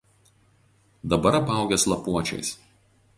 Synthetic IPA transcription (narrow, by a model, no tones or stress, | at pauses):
d̪ɐbɐɾɐpɑˑʊɡʲɛslˠɐpuɔt͡ʃʲɛ̰ɪs